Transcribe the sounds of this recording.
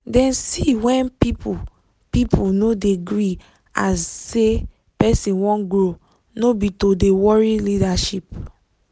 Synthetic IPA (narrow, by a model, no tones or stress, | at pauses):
dɛ̃nsiwɛ̃npipu | pipʰunodeɡɹi | asːe | pɛsĩnwɔ̃nɡɹo | nobitodewɔɹilidaʃip